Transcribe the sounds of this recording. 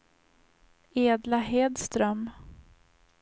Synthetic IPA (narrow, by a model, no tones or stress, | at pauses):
eːd̪laɦeːd̪st̪ɾœm